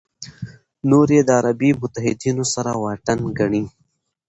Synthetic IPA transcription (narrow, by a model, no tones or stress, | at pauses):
noɾed̪əaɾabimʊt̪aɦɪd̪inosaɾawɑʈanɡaɳi